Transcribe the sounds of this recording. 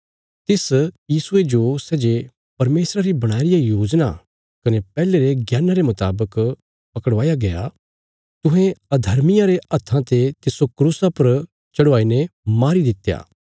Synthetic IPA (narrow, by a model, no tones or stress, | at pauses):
t̪ɪsjiːsʊed͡ʒosɛːd͡ʒe | pɐɾmeːsɾaɾibɐɽ̃aːɾɪjajoːd͡ʒna̰ | kɐnepɛːleɾeɡjaːnaɾemɐt̪a̰ːbək | pɐkəɽʋaːjaɡɐja̰ | t̪ʊɦẽɐd̪ʱɐɾmɪjaɾeɐt̪ʰːãt̪et̪ɪsokɾuːsapɐɾ | t͡ʃɐɽʋaːinemaːɾid̪ɪt̪ja̰ː